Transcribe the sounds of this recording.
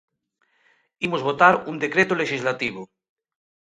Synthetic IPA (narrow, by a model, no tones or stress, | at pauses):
imozβot̪aɾund̪ekɾet̪oleʃizlat̪iβ̞o